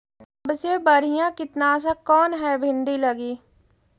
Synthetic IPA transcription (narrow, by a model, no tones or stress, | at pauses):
ɐbsebɐɾijãkɪt̪nas̬akɔːnɦɛbʱɪ̃ɳɖilɐɡiː